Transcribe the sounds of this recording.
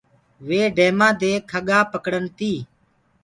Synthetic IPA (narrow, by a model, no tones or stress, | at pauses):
ʋeːɖʱeːmãːd̪eːkʰəɠaːpəkɽənt̪iː